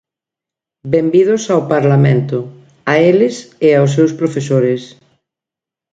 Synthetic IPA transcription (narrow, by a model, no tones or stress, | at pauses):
bembið̞ʊsawpaɾlamẽnt̪ʊ | aelɪsɪaʊs̬ewspɾofesoɾɪs